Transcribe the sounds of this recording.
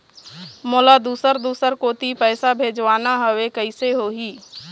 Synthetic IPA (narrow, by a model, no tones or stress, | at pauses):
moːlad̪uːsəɾd̪uːsəɾkoːt̪ipɛːsabʱeːd͡ʒʋaːnaɦəʋekəɪseɦoːɦiː